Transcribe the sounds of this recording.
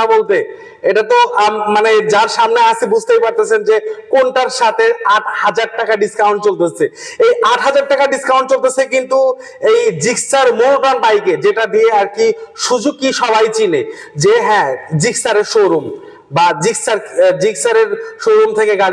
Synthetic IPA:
abolt̪̬e | eʈat̪oamːaned͡ʑaɾʃamneaʃibud͡ʑʱt̪ejpaɾt̪et͡ɕʰend͡ʑekonʈaɾʃat̪ʰeaʈ̚ʰhad͡ʑaɖ̚ʈakaɖiskawɳʈ̚t͡ɕolt̪et͡ɕʰeejaʈɦad͡ʑaɾ̚ʈːakaɖiskaw̃ɳʈ̚t͡ɕolt̪et͡ɕʰekint̪u | ejd͡ʑiksaɾmulpɾanbajked͡ʑeʈad̪ieaɾkiʃud͡ʑuɡ̚kːiʃɔbajt͡ɕine | d͡ʑeɦɛ̃d͡ʑiksaɾeɾʃowɾum | bad͡ʑiksaɾd͡ʑiksaɾeɾʃoɾumt̪ʰekeɡaɽi

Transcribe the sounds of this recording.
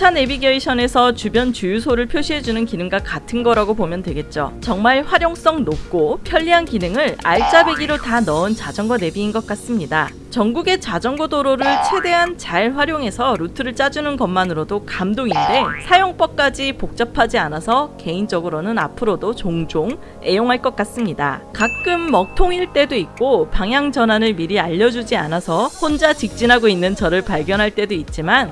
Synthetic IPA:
t͡ɕʰane̞biɡjʌiɕʰʌne̞sʰʌt͡ɕubjʌnt͡ɕujusʰoɾɯɭpʰjoɕʰiɦe̞d͡ʑunɯnkinɯŋɡakatʰɯnɡʌɾaɡopomjʌntwe̞ɡe̞t̚t͡ɕ͈o̰t͡ɕʌŋmaɭɸwaɾjoŋs͈ʌŋnop̚k͈opʰjʌʎːiɦankinɯŋɯɭa̰ɭt͡ɕ͈abe̞ɡiɾotanʌɯnt͡ɕad͡ʑʌŋɡʌne̞biːnɡʌk̚k͈as͈ɯmɲida | t͡ɕʌŋɡuɡe̞t͡ɕad͡ʑʌŋɡʌdoɾoɾɯɭt͡ɕʰwe̞de̞ɦant͡ɕaɭɸwaɾjoŋe̞sʰʌɾutʰɯɾɯɭt͡ɕ͈ad͡ʑunɯnkʌmːanɯɾodokamdoŋinde̞sʰajoŋp͈ʌk̚k͈ad͡ʑipok̚t͡ɕ͈ʌpʰad͡ʑianasʰʌke̞ind͡ʑʌɡɯɾonɯna̰pʰɯɾodot͡ɕoŋd͡ʑoŋ | e̞joŋɦaɭk͈ʌk͈̚as͈ɯmɲida̰kak̚k͈ɯmːʌk̚tʰoŋiɭt͈e̞doik̚k͈opaŋjaŋd͡ʑʌnɦanɯɭmiɾiaʎːʌd͡ʑud͡ʑianasʰʌɸond͡ʑat͡ɕik̚t͡ɕ͈inɦaɡoinːɯnt͡ɕʌɾɯɭpaɭɡjʌnɦaɭt͈e̞doit̚t͡ɕ͈iman

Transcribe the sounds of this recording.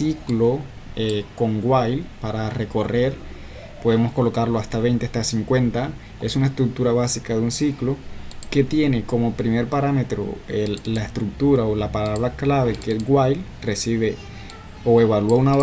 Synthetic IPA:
siklo̞ | eko̞ŋɡwajlpaɾare̞ko̞re̞ɾ | po̞ðe̞mo̞sko̞lo̞kaɾlo̞ast̪aβe̞jnt̪east̪asiŋkwe̞nt̪a | e̞sunae̞st̪ɾuk̚t̪uɾaβasikaðeunsiklo̞ke̞t̪je̞ne̞ko̞mo̞pɾime̞ɾpaɾame̞t̪ɾo̰elːaest̪ɾuk̚t̪uɾaolapalaβɾaklaβe̞kesɡwajl | re̞siβe̞ | o̞e̞βaluauna

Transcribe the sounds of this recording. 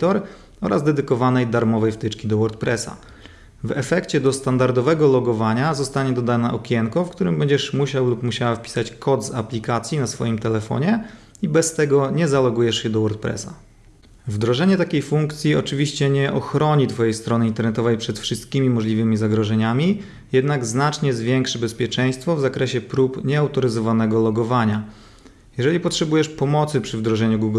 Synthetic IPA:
t̪ɔɾ | ɔ̰ɾazd̪ɛd̪ɘkɔvanɛjd̪aɾmɔvɛjft̪ɘt͡ʂkʲid̪ɔwɔɾt̪̚pɾɛsa̰ | vɛ̰fɛkt͡ɕɛd̪ɔst̪and̪aɾd̪ɔvɛɡɔlɔɡɔvaɲazɔst̪aɲɛd̪ɔd̪anaʔɔkʲɛŋkɔfkt̪uɾɘmbɛɲd͡ʑɛʂmuɕawlupmuɕawafpʲi̥sat͡ɕkʰɔd̪za̰plʲikat̪sʲjinasfɔ̰jimt̪ɛlɛfɔ̰ɲɛ | ibɛst̪ɛɡɔɲɛzalɔɡujɛʂjɛd̪ɔwɔɾt̪̚pɾɛ̰sa | vd̪ɾɔʐɛɲɛt̪akʲejfuŋkt̪sʲjiɔ̰t͡ʂɘvʲiɕt͡ɕɛɲɛʔɔxɾɔɲit̪fɔjejst̪ɾɔnɘint̪ɛɾnɛt̪ɔvɛjpʂɛt̪fʂɨst̪̚kʲimʲimɔʐlʲivɘmʲizaɡɾɔʐɛɲamʲi | jɛd̪naɡznat͡ʂɲɛzvʲjɛŋkʂɘbɛspʲjɛt͡ʂɛj̃st̪fɔvzakɾɛɕɛpɾupɲɛawt̪ɔɾɘzɔvanɛɡɔlɔɡɔvaɲa | jɛʐɛlʲipɔtʂɛbujɛʂpɔmɔt̪sɘpʂɘvd̪ɾɔʐɛɲuɡuɡ

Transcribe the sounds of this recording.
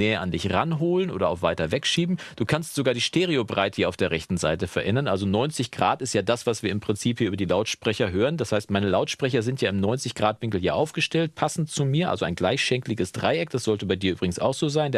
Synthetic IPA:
ɛːɐʔandɪçʁa̰nɦoːlənʔo̰ːdɐa̰ʊfvaɪtɐvɛkʃiːbm̩d̥uːkʰanstz̥oɡaːɐdiːʃteːʁ̞eobʁaɪtəhiːɐaʊfd̥eːɐʁɛçtn̩za̰ɪtəfɛɐʔɛnɐnʔalzonɔʏnt͡sɪçɡ̥ʁa̰ːtɪstjaːdasv̥asv̥iːɐɪmpʁ̥ɪnt͡siːphiːɐyːbɐdiːlaʊtʃpʁ̥ɛçɐɦøːʁənd̥ashaɪstmaɪnəlaʊtʃpʁ̥ɛç̬ɐzɪntjaːɪmnɔʏnt͡sɪçɡ̥ʁaːtv̥ɪŋkl̩ja̰ːʔaʊfɡ̥əʃtɛlt̚pʰasn̩tt͡sumiːɐʔa̰lzoa̰ɪnɡlaɪçʃɛŋklɪɡəsd̥ʁa̰ɪʔɛk̚d̥asz̥ɔltəbaɪdiːɐyːbʁɪɡŋ̩sa̰ʊxz̥oːzaɪnd

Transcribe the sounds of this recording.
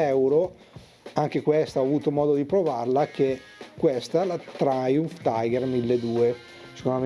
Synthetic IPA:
ɛwɾo | aŋk̟ekwest̪aɔːvuːt̪omɔːd̪od̪ipɾovarlak̟e | kːwest̪alat̪ɾajunft̪ajɡermilːed̪uːe | se̥kond̪o

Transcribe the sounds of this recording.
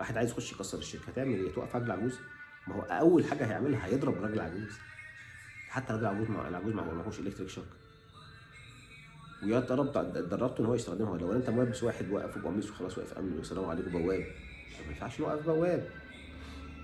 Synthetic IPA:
waːħed̪ʕajezjexoʃːjekɑsˤːɑɾˤeʃːekːæhæt̪eʕmelhejːæt̪wæʔæ̰fʕɑɡlelʕaɡuːz | mæoæʔʔæwːelħaːɡæhæjḛʕmelhæhæjed̪ˤɾˤɑbrˤɑɡelelʕa̰ɡuːz̥ | ħat̪ːæɾˤɑɡlʕaɡuːzma̰ḛlʕaɡuːzmæ̰ho̰wːæmæxoʃʔelekt̪ɾikʃɑk | wejɑʔt̪ɑɾˤɑb̪d̪ɑrˤɑɾˤt̪oʔenːhowːæjest̪æxd̪emhowlæwːʔælːʔent̪æmowæbːeswaːħed̪wæ̰ʔæ̰febʔɑ̰miːʔswexɑlɑːsˤwæ̰ʔæ̰fʔæ̰mnwesːælæːmʕaleːkobæwːæːb | æmæmefaʕʃelwæʔæfbæwːæːb

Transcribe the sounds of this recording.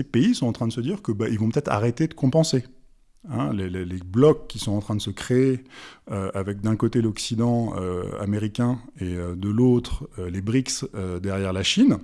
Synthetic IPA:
epeisɔ̃ɑ̃t̪χɛ̃d̪əsəd̪iʁkəbaʔilvɔ̃pət̪ɛt̪χa̰ʁet̪ed̪əkɔ̃pɑ̃se | ɛ̰̃leleleblɔkːisɔ̃ɑ̃t̪χɛ̃d̪əsəkχeeøavɛk̚d̪ɛ̃kot̪elɔksid̪ɑ̃ø̰a̰meʁikʲɛ̃eød̪əlot̪χølebʁiksød̪ɛʁjɛʁlaʃin

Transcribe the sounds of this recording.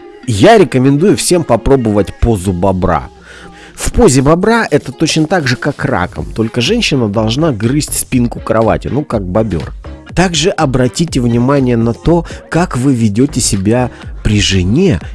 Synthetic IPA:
jaɾʲɪkəmʲɪnd̪ujʊfsʲe̞mpɐpɾo̞bəvətʲpo̞zʊbɐbɾa̰ | fpozʲɪbɐbɾaʔɛt̪ət̪ot͡ɕnət̪aɡʐɨkakra̰kə̰mt̪o̞lʲkəʐɛnʲɕːɪnəd̪ɐlˠʐnaɡrɨsʲtʲspʲinkʊkɾɐva̰tʲɪ̰nukak̚bɐbʲo̰rt̪aɡʐɨʔɐbɾɐtʲitʲɪvnʲɪmanʲɪjənɐt̪o̞kakvɨvʲɪdʲotʲɪsʲɪbʲapɾʲɪʐɨnʲe̞

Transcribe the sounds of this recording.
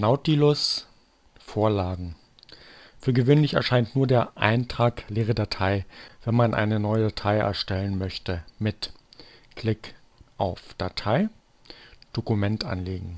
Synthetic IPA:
naʊtilʊs | foːɐlaːɡŋ̩ | fyːɐɡəvøːnlɪçɛɐʃaɪntnuːɐdeːɐʔa̰ɪntʁ̥aːkleːʁ̞ədatʰaɪv̥ɛnmanʔa̰ɪnənɔʏədatʰaɪʔɛ̰ɐʃtɛlənmœçtəmɪt | kʰl̥ɪk | ʔaʊfd̥atʰaɪ | d̥okumɛntʔa̰nleːɡŋ̩

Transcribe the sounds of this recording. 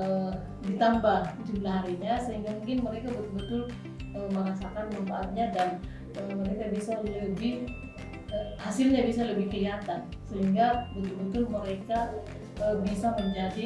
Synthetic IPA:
ə | dit̪ambahd͡ʒumlaɦaɾiɲasəɦiŋɡamuŋkɪnməɾekabət̪ʊlbət̪ʊl | əməŋasakanməmbaːt̪̚ɲadan | əməɾekabisaləbɪ | əhasɪlɲabisaləbɪhkəiat̪an | səɦiŋɡabət̪ʊlbət̪ʊlməɾeka | əbisaməɲd͡ʒadi

